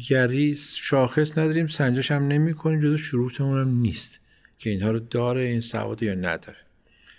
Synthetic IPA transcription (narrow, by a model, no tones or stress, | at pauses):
jæɾiːsʃɒːxe̞snæd̪ɒːɾiːmsænd͡ʒeʃæmne̞miːkʰo̞niːmd͡ʒozeʃuɾuːt̪ʰemunæmniːst̪ | cʰe̞iːnhɒːɾod̪ɒːɾeiːnsæ̰vɒ̰ːd̪ejɒːnæ̰d̪ɒ̰ːɾe